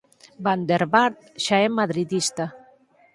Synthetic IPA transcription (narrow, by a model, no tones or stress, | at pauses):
band̪eɾβaɾt̪ʃaɛmaðɾiðist̪a